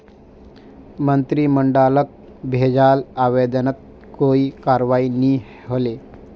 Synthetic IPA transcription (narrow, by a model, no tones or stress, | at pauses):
mənt̪ɾiːməɳɖalək̚ | bʱed͡zalaʋed̪ənət̪̚ | koikaɾʋaini | ɦole